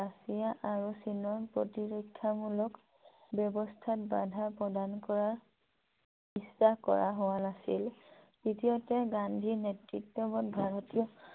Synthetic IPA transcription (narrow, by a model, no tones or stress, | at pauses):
asijaʔaɹusinɔɹpɹɔ̰tiɹɔkʰːamulɔk | bɔbɔstʰatba̰dʱapɹɔdankɔɹaɹ | isːahkɔ̰ɹaɦowanasḭl | ditijɔtɛɡandʱiɹnetɹitːɔbɔtbʱaɹɔtiɔ